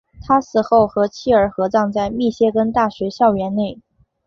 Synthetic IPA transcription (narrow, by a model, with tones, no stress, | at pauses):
t̪ʰa˥sɹ̩˥˩xo˥˩ʊxɤ˧˥t͡ɕʰi˥˩ə˞˨˩˥xɤ˧˥t͡sɑ˥˧ŋt͡sa˥˧ɪmi˥˩ɕjɛ˥kə˥nt̪a˥˩ɕɥɛ˧˥ɕjɑ˥˩ʊɥɛ˧˥nne˥˩ɪ